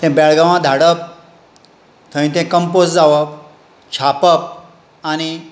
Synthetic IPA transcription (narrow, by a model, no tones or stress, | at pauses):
t̪ɛ̃bɛɭɡãʋãd̪ʱaɽəp̚ | t̪ʰə̃ĩt̪ɛ̃kəmposd͡zaʋəp | t͡ɕʰapəp̚ | añi